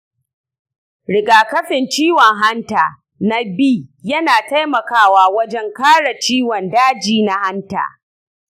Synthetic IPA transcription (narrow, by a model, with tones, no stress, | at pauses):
ɽɪ˨ɡaː˨kɐ˦ɸɪ˨nt͡ʃiː˦wɔ˨ŋɦa˦ntaː˨ | na˦biː˦jɐ˦naː˨ta˦jmɐ˨kaː˦waː˦wɐ˦d͡ʒɛ˦ŋkaː˦ɽa˨t͡ʃiː˦wɔ˨ndaː˦d͡ʒiː˨na˦ha˦nta̰ː˨